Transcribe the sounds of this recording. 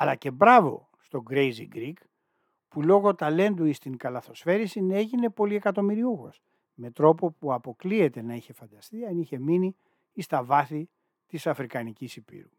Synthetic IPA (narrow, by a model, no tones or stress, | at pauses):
ɐlɐce̞bɾɐvo̞̰ | st̪o̞ɡɾe̞jzḭɡɾik | pulo̞ɣo̞t̪ɐle̞nd̪uist̪iŋkɐlɐθo̞sfe̞ɾisine̞ʝine̞po̞lie̞kɐt̪o̞miɾiuɣo̞s | me̞t̪ɾo̞po̞puɐpo̞klie̞t̪e̞nɐiçe̞fɐnd̪ɐst̪iɐniçe̞miniː | st̪ɐvɐθi | t̪isɐfɾikɐnicisipḭɾu